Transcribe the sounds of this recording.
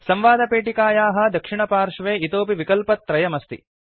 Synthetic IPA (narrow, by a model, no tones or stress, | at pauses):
sɐmʋaːd̪ɐpeːʈikaːjaːɦɐ̆d̪ɐkʂiɳɐpaːɾʂɐʋeːit̪oːp̬iʋikɐlpɐt̪ːɾɐjɐmɐst̪ḭ